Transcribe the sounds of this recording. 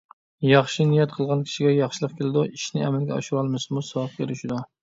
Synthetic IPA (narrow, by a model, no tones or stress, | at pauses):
jɑχʃinijɛt̪̚qʰəlˠʁɑnkʲʰi̥ʃiɡʲɛjɑχʃɪlˠəqkʲʰelɪd̪uiʃnɪɛmælɡʲɛɑ̰ʃuɾɑlˠmɪsmusɑp̚kʲʰeɾɪʃid̪u